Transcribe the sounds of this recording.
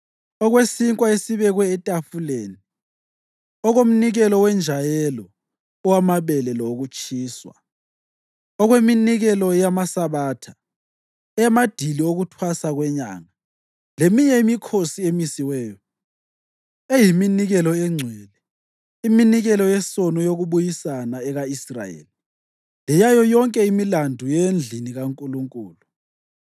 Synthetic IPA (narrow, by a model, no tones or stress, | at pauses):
ɔɣwesiŋkʼwaesiβɛɣwɛːtʼafuleːni | ɔɣom̩niɣɛlɔwɛnd͡ʒʱajɛlɔ | ɔwamaβɛlɛlɔɣut͡ʃʼiːswa̰ | ɔɣweminiɣɛlɔjamasaβaːtʰa | ɛamad̥ʱilioɣutʰwasaɣwɛɲa̰ːŋa | lemiɲɛimikʰosiemisiwɛːjɔ | ejiminiɣɛlɔɛŋ͡ǀʱwɛlɛ | iminiɣɛlɔjɛsɔnɔjoɣuβujisanaɛɣaisra̰jḛːli | lɛjajɔjɔŋkʼɛimilandʱujend͡ɮʱiniɣaŋkʼuluŋkʼuːlu